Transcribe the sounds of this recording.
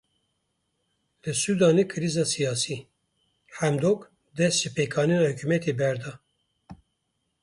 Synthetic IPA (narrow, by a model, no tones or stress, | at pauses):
ləsud̪ɑːnikʰɨɾizɑsijɑːsi | ħæmd̪ok | d̪ɛsʃəpekʰɑːninhukymɛt̪ʰebæɾd̪ɑ